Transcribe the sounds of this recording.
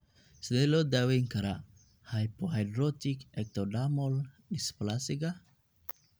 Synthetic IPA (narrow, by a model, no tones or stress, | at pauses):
slelodaweŋkaɾa | hajpohajdɾot̪ikek̚t̪odamol | isplasiɡa